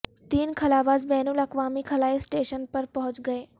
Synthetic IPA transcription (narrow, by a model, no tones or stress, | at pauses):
t̪iːnkʰɐlaːʋaːzbɛːnulɐkʋaːmikʰɐlaːisʈeːʃənpɐɾpɐɦʊ̃t͡ʃɡɐeː